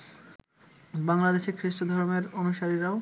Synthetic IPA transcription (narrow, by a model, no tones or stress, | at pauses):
baŋlad̪eʃekʰɾiʃʈod̪ʱɔɾmeɾonuʃaɾiɾao